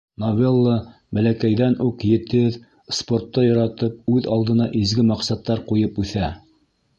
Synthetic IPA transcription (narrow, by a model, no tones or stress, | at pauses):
novʲelˠːə | bælækæjðænʔuqjɘ̆t̪ɘð | sport̪ːɑjŏɾɑt̪ɤp̚ʉðɑlˠd̪ɤ̆nɑʔizɡɘmɑqsɑt̪ːɑɾqujɤpʉθæ